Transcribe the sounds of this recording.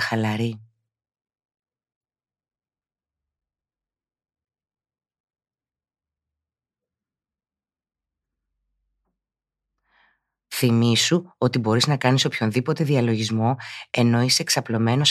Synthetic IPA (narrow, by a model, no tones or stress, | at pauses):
xɐlɐɾi | θimisuo̞t̪ibo̞ɾiznɐkɐniso̞pço̞nðipo̞t̪e̞ðiɐlo̞ʝizmo̞e̞no̞ise̞ːksɐplo̞me̞no̞s